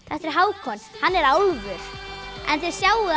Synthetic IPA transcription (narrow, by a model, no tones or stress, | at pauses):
θɛht̪ɛɾ̥ɦaːwkʰɔnhanːɛɾaːwðvʏɾ̥ɛ̰nθɛɛɾ̥sjaːwʏ